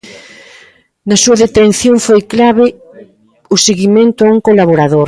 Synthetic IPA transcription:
nɐsuɐðet̪en̟θjoŋfojklaβɪ | ʊseɣimẽnt̪ʊauŋkolaβoɾaðoɾ

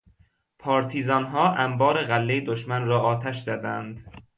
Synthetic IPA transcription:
pʰɒːɾt̪ʰiːzɒːnɦɒːʔæmbɒːɾeɣælːejed̪oʃmænrɒːɒːt̪ʰæʃzæd̪ænd̪

